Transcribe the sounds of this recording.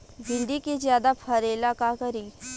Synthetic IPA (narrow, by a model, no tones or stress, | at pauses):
bʱɪ̃ɳɖikezjaːd̪apʰɐɾelaːkakɐɾiː